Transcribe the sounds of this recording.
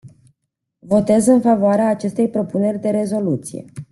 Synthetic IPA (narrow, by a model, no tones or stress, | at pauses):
vo̞t̪e̞zɨnfavoaɾeaːt͡ʃe̞st̪e̞jpɾo̞pune̞rʲd̪e̞ɾe̞zo̞lut̪sijḛ